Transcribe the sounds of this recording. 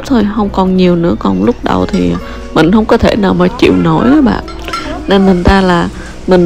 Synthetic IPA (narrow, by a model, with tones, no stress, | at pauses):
t̪ʰo˧jɦə˧wŋ͡mkɔ˨˩nɲi˨˩əwnɨ̰˧˥əkɔ˨˩nlʊ˦˥k͡p̚ɗə̰˨˩wt̪ʰi˨˩˨ | mï˨˩ŋ̟hə˧wŋ͡mkɔ˨˦t̪ʰe˧˩naː˨˩wmaː˨˩t͡ɕḭ˧˨wno˨˦jʔaː˨˦ɓa̰ː˧˨n | ne˧nmɨ˨˩ŋ̟t̪aː˧laː˨˩ | mï˨˩ŋ